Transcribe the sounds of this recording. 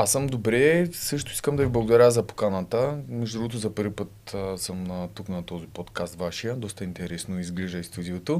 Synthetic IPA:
asəmd̪obɾɛsɤʃt̪oiskəmd̪ɐviblˠɐɡod̪ɐɾʲəzɐpo̥kanət̪əmɛʒd̪ɾuɡot̪ʊzɐpɤɾvʲipət̪ːsəmnɐt̪uknɐt̪ɔzipɔt̪kast̪vaʃijəd̪ɔst̪ɐint̪ɛɾɛsnoizɡliʒəjst̪ud̪ʲiot̪o

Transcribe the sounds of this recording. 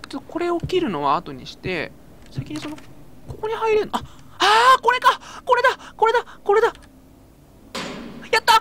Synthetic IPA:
t̪eoko̞ɾe̞okʲiɾɯ̟no̞βaːt̪o̞ɲ̟ḭɕi̥t̪e̞̰ | saikʲiɲ̟iso̞noko̞ko̞ɲ̟ihaiɾeɯnaaːko̞ɾe̞kako̞ɾe̞d̪ako̞ɾe̞d̪ako̞ɾe̞d̪a | jat̪ːa

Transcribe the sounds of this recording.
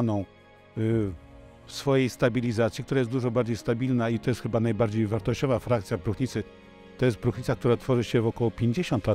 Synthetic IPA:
nɔ̃w̃ | fsfɔjejst̪abʲilʲizat̪sʲjikt̪uɾajɛsd̪uʐɔbaɾd͡ʑejst̪abʲilnait̪ɔjɛst̪xɘbanajbaɾd͡ʑejvaɾt̪ɔɕt͡ɕɔvafɾakt̪sʲjabɾuxɲit̪sɘ | t̪ɔjɛst̪̚bɾuxɲit̪sakt̪uɾat̪fɔʐɘɕɛvɔkɔwɔpʲjeɲd͡ʑeɕɔnt̪la

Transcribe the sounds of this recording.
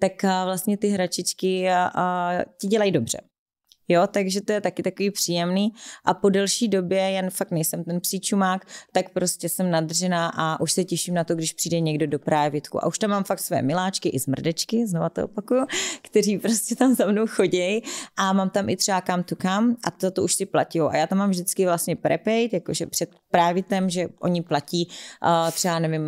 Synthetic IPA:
t̪akvlast̪ɲɛt̪ɪɦɾat͡ʃɪt͡ʃkɪ | cɪɟɛlajido̞br̝̥ɛ̰ | jot̪aɡʒɛt̪ojɛt̪akɪt̪akoviːpr̥iːjɛmniːʔapo̞dɛlʃiːdo̞bjɛjɛnfakt̪nɛjsɛmt̪ɛnpsiːt͡ʃumaːkt̪akpɾo̞scʲɛsɛmnad̪rɛnaːʔaʔuʃsɛcɛʃimnat̪oɡdɪʃpr̥iːdɛɲɛɡdo̞do̞pɾaːvɪt̪kṵʔa̰uʃt̪amːaːmfak̚t̪svojɛ̰mɪlaːt͡ʃkɪʔɪzmr̩dɛt͡ʃkɪznovat̪oʔo̰pakujukt̪ɛɾiːpɾo̞scɛt̪amzamnowxo̞ɟɛjʔamaːmt̪amʔɪt̪r̥ɛakamt̪ukamʔa̰tzat̪ouʃsɪpla̰cɪjowʔa̰jaːt̪amːaːmvʒdɪt͡skɪvlast̪ɲɛpɾɛ̰pɛjt̪jakoʒɛpr̝̥ɛt̪̚pɾaːvɪt̪ɛmʒɛʔo̞̰ɲɪplaciːt̪r̥ɛanɛvɪm

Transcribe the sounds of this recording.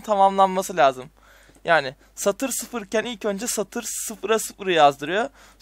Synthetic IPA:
nt̪ʰamamlˠanmasɯlʲaːzɯm | jaːnɪ | sat̪ʰɯɾsɯfɯɾicʰænilʲcø̞nd͡ʒɛsat̪ʰɯɾsɯfɯɾasɯfɯɾɯjazd̪ɯɾɯjo̞

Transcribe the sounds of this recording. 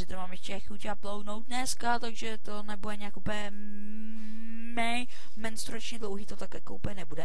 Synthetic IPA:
ɪt̪maːmjɛʃcɛxucaplowdnowt̪̚nɛskat̪aɡʒɛt̪o̞nɛbudɛɲɛakupəɲɛ | mɛj | mɛnst̪ɾuɾat͡ʃɲɛdlowɦiːt̪ot̪akjakoupəɲɛnɛbudɛ

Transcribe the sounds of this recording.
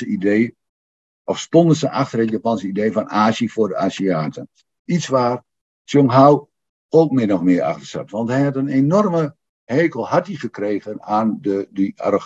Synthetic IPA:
əideː | ʔɔfstɔndəsəʔaxtərətjapansəideːfɔnaːʃəfʊːrdəʔasiaːtʰən | it͡sʋaːr | sjoŋɦaw | owkmɪnɔχmɪəra̰xtərsɛ̰tʋɑnthɛjhɑtənenɔrmə | heːkəlˠhatiχəkreːɣənaːndədəa̰ro

